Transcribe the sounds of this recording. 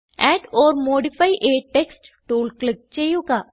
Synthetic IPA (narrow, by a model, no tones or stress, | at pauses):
ɛːʈɔːɾmoːɖifʰaːiʔeːʈeksʈʈuːlklɪk̚t͡ʃeːjukaː